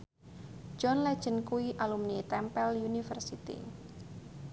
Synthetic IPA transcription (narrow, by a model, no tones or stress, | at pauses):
d͡ʒɔnlɛ̥d͡ʒənkuiʔalumnit̪ɛmpɛljunifərsit̪ḭ